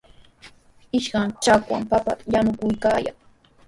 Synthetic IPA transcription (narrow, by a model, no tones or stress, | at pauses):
ɪʃkaŋt͡ʃakwa̰mpapa̰janʊkʊjkaːja̰ŋ